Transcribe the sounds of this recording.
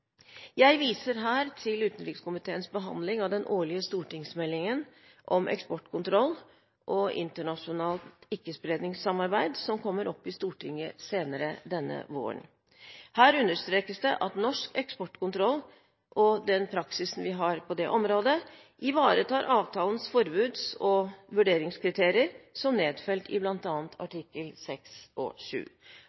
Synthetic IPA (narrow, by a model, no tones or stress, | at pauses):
jæɪʋiːsəɾɦæːɾt̪ʰɪlʉːt̪ən̩ɾɪkskʊmɪt̪ʰeːənsbəɦɑ̰nd̪lɪŋɑʋd̪ɛnʔoːɭɪəst̪uːʈɪŋsmɛlːɪŋən | ʔɔmʔɛ̰kspɔʈkʰʊnt̪ʰɾɔlː | ʔɔʔɪ̰nt̪əɳɑʂʊnɑːlt̪ɪkːəspɾeːd̪nɪŋsɑmɑɾbæɪd̪sɔmkʰɔmːəɾʔɔpːɪst̪uːʈʰɪŋːəseːnəɾəd̪ɛnːə̰ʋo̰ːə̰ɳ | hæːɾʉnd̪əʂt̪ɾeːkəsd̪ɛʔɑt̪nɔʂkɛkspɔʈːkʊnt̪ʰɾɔlː | ʔɔd̪ɛnpʰɾɑksɪsn̩ʋɪɦɑɾpʰɔd̪ɛʔɔmɾoːd̪ə | ʔɪʋɑːɾət̪ʰɑːɾʔɑːʋt̪ʰɑːlənsfɔɾbʉːd̪sɔʋʉɖeːɾɪŋskʰɾɪt̪ʰeːɾɪəɾsɔmneːd̪fɛlt̪ɪ̰blɑnt̪ɑːnt̪ʰɑ̰ʈɪkːəlsɛksɔ̰ʂʉ̰ː